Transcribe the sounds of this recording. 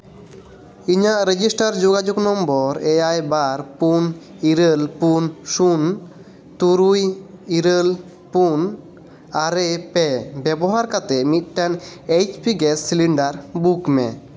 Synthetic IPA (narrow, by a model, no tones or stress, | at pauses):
iɲaʔɾed͡ʑisʈaɾd͡ʒoɡad͡ʒoɡnɔmbɔɾeajbaɾpun | iɾelpunʃun | t̪uɾujiɾel | pun | aɾepɛbɛboɦaɾkat̪emit̪̚ʈanejt͡ʃpiɡɛssiliɳɖaɾbukmɛ̰